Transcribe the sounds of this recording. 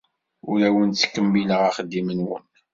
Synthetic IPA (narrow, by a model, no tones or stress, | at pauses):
ʊɾæwənt͡sːə̥kːəmːiləʁaχəd̪ːimənwə̰n